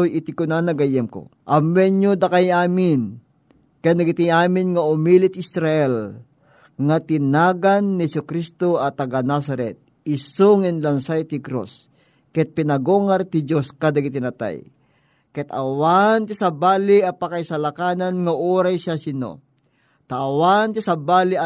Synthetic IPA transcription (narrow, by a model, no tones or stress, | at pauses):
ojɪt̪ɪkʊnanɐɡɐjɛmko̰ʔɐmɛɲɲod̪akajaːmɪn | kɛnd̪aɡit̪iaːmɪnŋaʊmilit̪ɪsɾaʔɛl | ŋat̪ɪnaːɡanːihɛsʊkɾist̪oɐt̪ɐɡanas̬ɐɾɛt̪̚ | ɪsoŋɪnlɐnsajt̪ɪkɾo̰s | kɛt̪̚pɪnɐɡoŋaɾt̪ɪd͡ʒoskad̪aɡɪt̪ɪnat̪a̰j | kɛt̪a̰want̪ɪsabaːliɐpakajsalakaːnanŋaʔoːɾajsasɪno̰ | t̪aːwant̪ɪsabaːli